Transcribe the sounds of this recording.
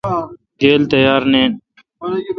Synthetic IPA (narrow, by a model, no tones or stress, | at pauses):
ɡeːlt̪əjaːɾneːn